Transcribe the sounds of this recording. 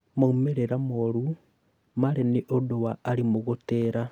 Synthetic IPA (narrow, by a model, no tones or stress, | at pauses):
moumeɾeɾamoɾu | maɾeniʔodowaːɾimuɣuteːɾa